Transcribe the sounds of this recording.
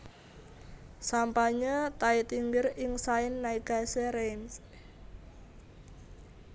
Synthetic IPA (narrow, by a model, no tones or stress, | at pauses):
sampaɲət̪ait̪iŋɡɪɾɪŋsaɪnːaiɡ̥a̤seɾejns